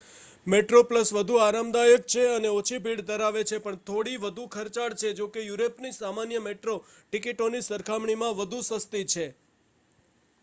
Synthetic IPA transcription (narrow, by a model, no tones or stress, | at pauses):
meʈɾopləsʋəd̪ʱuaɾamd̪ajək̚t͡ʃʰeəneot͡ʃʰibʱiɽd̪əɾaʋet͡ʃʰepəɳt̪ʰoɽiʋəd̪ʱukʰəɾt͡ʃaɽt͡ʃʰed͡ʒokejuɾepnisamanjəmeʈɾo | ʈikiʈonisəɾkʰamɳimãʋəd̪ʱusəst̪it͡ʃʰe